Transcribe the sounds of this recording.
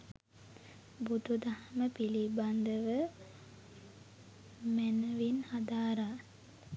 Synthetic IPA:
bud̪ud̪ahməpiliband̪əʋə | mænəʋinhad̪aːɾa

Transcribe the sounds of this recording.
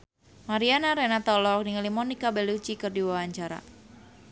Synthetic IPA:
maɾianaɾɛnat̪ɔlɔk̚niŋalimɔnikabɛlut͡ʃikɨrdiwawaɲt͡ʃaɾa̰

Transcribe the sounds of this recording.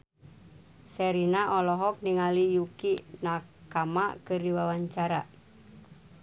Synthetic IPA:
sɛɾinaʔɔlɔɦɔk̚niŋalijukinakama̰kɨrdiwawaɲt͡ʃaɾa

